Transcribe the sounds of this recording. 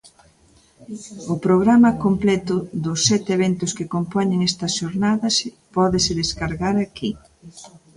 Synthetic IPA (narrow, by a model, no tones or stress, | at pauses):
ʊpɾoɣ̞ɾamɐkomplɛt̪ʊðʊsːɛt̪eβent̪ʊskɪkompoɲɪŋɛst̪ɐsʃoɾnaðɐs | pɔðɪsɪðeskaɾɣaɾaki